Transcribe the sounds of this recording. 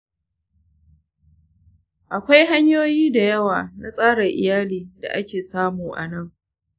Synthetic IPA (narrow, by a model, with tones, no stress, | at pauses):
ʔa˨kʷa˦jɦa˦ɲjoː˦jiː˦da˨jɐ˦waː˨na˦sʼaː˦ɽɐ˨ʔɪ̰˨jaː˦liː˨da̰˨ʔa˦kʲeː˨saː˦muː˨ʔa̰˨nɐ˦˨ŋ